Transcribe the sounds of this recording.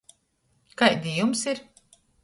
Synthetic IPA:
kajd̪ijumsiɾ

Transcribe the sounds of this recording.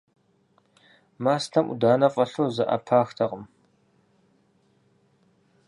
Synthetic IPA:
maːstʰɐmʔṵdaːnɐqʼɐɬoːzɐʔa̰pʰaːxtʰɐqʼəm

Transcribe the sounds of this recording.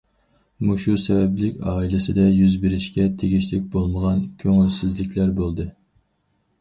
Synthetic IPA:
muʃusɛbɛblɪkʲɑːilɪsɪd̪ɛjyzbɪɾɪʃkʲɛt̪ʰeɡʲiʃlɪk̚ʲbolˠməʁɑnkʲʰøŋylsɪzlɪkʲlæɾbolˠd̪ɨ

